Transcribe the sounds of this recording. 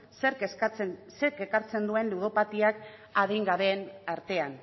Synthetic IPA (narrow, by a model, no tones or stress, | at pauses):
seɾkt͡sse̞ɾke̞kaɾt͡se̞nd̪ue̞nluð̞o̞pat̪iak | aðiŋɡaβe̞naɾt̪e̞an